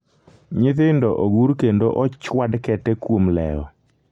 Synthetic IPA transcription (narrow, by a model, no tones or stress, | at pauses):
ɲɪt̪ɪndɔʔoɡuɾkendoʔɔt͡ʃwadkɛtɛkwomlɛ̰ɔ̰